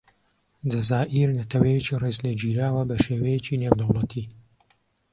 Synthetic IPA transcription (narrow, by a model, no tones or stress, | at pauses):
d͡ʒɐzaːʔiɾnɐt̪ʰɐwɐjet͡ʃirezled͡ʒiːɾaːwɐbɐʃeːwɐjet͡ʃinewd̪ɐwlˠɐt̪ʰi